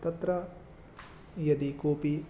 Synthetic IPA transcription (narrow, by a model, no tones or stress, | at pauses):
t̪ɐt̪ɾɐ | jɐd̪ikoːpi